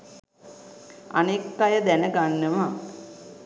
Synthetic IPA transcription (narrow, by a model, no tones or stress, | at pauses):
a̰nekːajəd̪ænəɡanːəʋa